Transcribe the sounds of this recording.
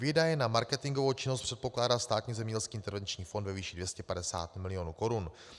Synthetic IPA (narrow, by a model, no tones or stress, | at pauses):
vjɛdajɛnamaɾkɛt̪ɪŋɡovowt͡ʃɪnost̪pr̥ɛt̪̚po̞klaːdaːst̪aːt̪ɲiːzɛmɲɛɟɛlskiːɪnt̪ɛɾvɛnt͡ʃɲiːfo̞ndvɛviːʃɪdvjɛscɛpadɛsa̰ːt̪mɪlɪjo̞nuːko̞ɾun